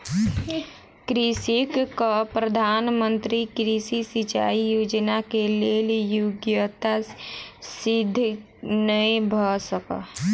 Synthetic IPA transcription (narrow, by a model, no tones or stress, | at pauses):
kɾisikəpɾəd̪ʱanmənt̪ɾikɾisisit͡ʃa̰ijod͡ʒnakeleljoɡjət̪a | sid̪ʱː | nəĩbʱəsəkə̰